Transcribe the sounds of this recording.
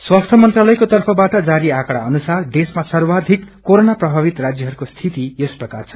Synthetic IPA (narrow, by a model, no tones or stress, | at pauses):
swast̪ʰʌmʌnt̪ralʌjkot̪ʌrpʰʌbaʈʌd͡zaɾiakɽaʌnusard̪esmasʌrwad̪ʱikːoɾonaprʌbʱabit̪rad͡zjʌɦʌɾukost̪ʰit̪ijʌsprʌkart͡sʰʌ̥